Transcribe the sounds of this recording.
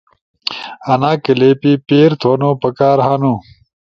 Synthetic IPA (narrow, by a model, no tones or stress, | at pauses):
ɐnaːkɐleːpipeːɾt̪ʰoːnoːpɐkaːɾɦaːnũ